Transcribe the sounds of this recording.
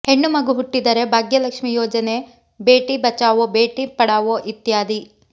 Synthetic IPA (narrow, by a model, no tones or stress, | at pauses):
heɳːumɐɡuɦuʈːid̪ɐɾe̞bʱaːɡjɐlɐkʂmijɔːd͡ʒɐne | beːʈibɐt͡ʃaːʋobeːʈipɐɽaːʋoʔit̪jaːd̪i